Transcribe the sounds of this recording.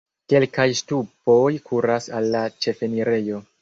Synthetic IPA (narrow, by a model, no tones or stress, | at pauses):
ke̞lkajstupo̞jkʰuɾasalːat͡ʃe̞fe̞niɾe̞jo̞